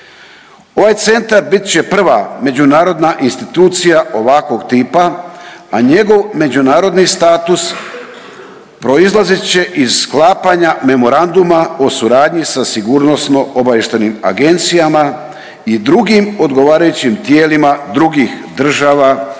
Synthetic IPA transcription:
o̞ʋajt̪se̞nt̪aɾbit̪t͡ɕe̞pr̩ʋame̞d͡ʑunaːɾo̞d̪naʔinst̪it̪uːt̪sijaʔo̞ʋakʋo̞ɡt̪iːpaaɲe̞ɡo̞ʋme̞d͡ʑunaːɾo̞d̪nist̪aːt̪us | pɾo̞izlˠazitt͡ɕe̞ʔiz̥sklaːpaɲame̞mo̞ɾand̪umaosuɾaːd̪ɲisasiɡuːɾno̞sno̞ʔobajeʃt̪enima̰ɡe̞nt̪sijama | id̪ɾuɡimo̞d̪ɡo̞ʋaːɾajut͡ɕimt̪je̞ːlimad̪ɾuɡixd̪r̩ʒaːʋa

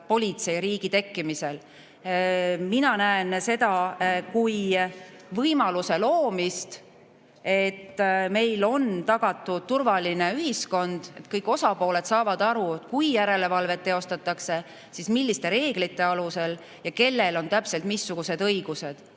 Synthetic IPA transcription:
po̞lʲit̪se̞jɾiːɡ̥it̪e̞kːimise̞l | minɑnæense̞d̪ɑkuj | vɤjmɑluse̞loːmist̪ | e̞t̪ːme̞jlo̞nt̪ɑɡ̥ɑt̪ːˑu̥t̪urvɑline̞yɦisko̞nd̪̥e̞t̪kɤjkːˑo̞sɑpo̞ːle̞d̪sɑːvɑd̪̥ɑɾuekujjæɾe̞le̞vɑlve̞t̪ːeo̞st̪ɑt̪ːˑɑkse̞ | sismilːist̪e̞ɾe̞ːɡ̥lit̪ːˑe̞ɑluse̞l | jɑke̞lːe̞lo̞nt̪æpse̞lt̪misːuɡ̥use̞d̪ɤjɡ̥use̞d̪̥

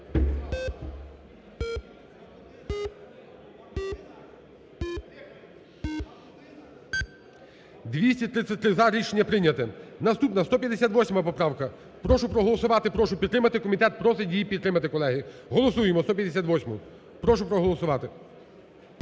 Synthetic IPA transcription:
d̪ʋʲisʲtʲit̪ɾɪsʲɐt̚ʲt̪ɾɪzɑɾʲiʃenʲːɐpɾɪnʲɐt̪ɛnɐst̪upnɐst̪ɔpʲjɐd̪esʲat̪ʋɔsʲmɐpɔpɾɑwkɐ | pɾɔʃʊpɾɔɦɔlˠɔsʊʋɑt̪ɪpɾɔʃʊpʲid̪t̪ɾɪmɐt̪ɪkɔmʲit̪ɛt̪̚pɾɔsɪdʲijipʲid̪t̪ːɾɪmɐt̪ɪkɔlˠɛɦɪɦɔlˠɔsujemɔst̪ɔpʲjɐd̪esʲat̪ʋɔsʲmʊ̰ | pɾɔʃʊpɾɔɦɔlˠɔsʊʋɑt̪ɪ

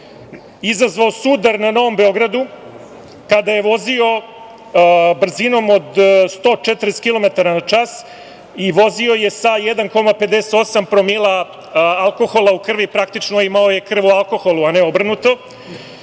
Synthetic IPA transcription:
izazʋaosud̪aɾnano̞ʋo̞mbe̞o̞ɡɾad̪u | kad̪aje̞ʋo̞zio̞ | br̩zino̞mod̪st̪o̞ːt͡ʃet̪ɾeskilˠo̞met̪aɾanat͡ʂas | iʋo̞zio̞je̞sajed̪anko̞mape̞d̪eset̪o̞sampɾo̞milˠa | alˠko̞xo̞lˠaukr̩ʋipɾakt̪it͡ʂnoimaoje̞kr̩ʋualˠko̞xo̞lˠuaneobr̩nut̪o̞

